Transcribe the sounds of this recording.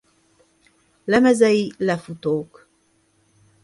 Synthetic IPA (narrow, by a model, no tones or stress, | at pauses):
lɛmɛzɛilɛfut̪oːk